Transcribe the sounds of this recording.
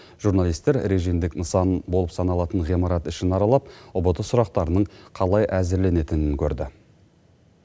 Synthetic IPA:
ʒ̥uɾnalˠijst̪e̞ɾɾe̞ʒijmd̪ɪknəsɑnbo̞lˠəpsɑnɑlˠɑt̪əɴʁimɑɾɑt̪ɪʃɪnɑɾɑlˠɑp̚ʊbət̪əsʊɾɑq̚t̪ɑɾənəɴqʰɑlˠɑjʔæzɪɾle̞ne̞t̪ɪnɪŋkʲʰɵɾd̪ɪ

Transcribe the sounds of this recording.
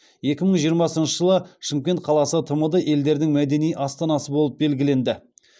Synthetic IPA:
je̞kʲɪməɴʒijəɾmɑsənʃəʒəlˠəʃəmkʲe̞nt̪̚qʰɑlˠɑsət̪ʰəməd̪əʔe̞ld̪e̞ɾd̪ɪŋmæd̪e̞nijʔɑst̪ɑnɑsəbo̞lˠəp̚be̞lɡʲɪle̞nd̪ɪ

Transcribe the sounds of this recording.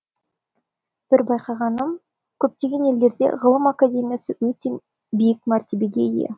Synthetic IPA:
b̥ɪɾbɑjqɑʁɑnəm | kʲʰɵp̚t̪e̞ɡʲe̞ne̞ld̪e̞ɾd̪e̞̰ʁəlˠəmakadʲe̞mʲijasəwɵt̪e̞ | bijɪk̚maɾt̪ebeɡʲe̞̰ijḛ

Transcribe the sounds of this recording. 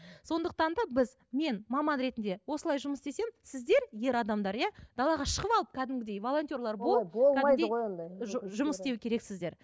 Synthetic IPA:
so̞nd̪əqt̪ɑnd̪ɑbɪz | me̞nmɑmɑnɾe̞t̪ɪnd̪e̞wo̞səlˠɑjʒʊməsd̪e̞se̞msɪzd̪e̞ɾje̞ɾɑd̪ɑmd̪ɑɾjɑd̪̥ɑlˠɑʁɑʃəʁəpɑlˠəp̚kʲʰæd̪ɪmɡʲɪd̪e̞jvo̞lˠo̞nt̪ʲjo̞rlˠɑɾbolˠpbokˠʰːædɑɪdd̪əo | ʒʊməst̪e̞wɪkʲʰe̞ɾe̞ksɪzd̪e̞ɾ

